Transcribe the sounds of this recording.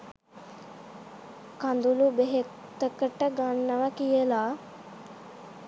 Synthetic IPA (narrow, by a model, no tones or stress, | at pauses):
kand̪ulubeɦe | t̪əkəʈəɡanːəʋakijəlaː